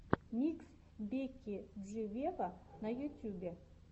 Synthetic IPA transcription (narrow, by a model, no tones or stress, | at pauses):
mʲiks | bʲekʲːiʐɨvʲevanɐjut̪ʲjubʲe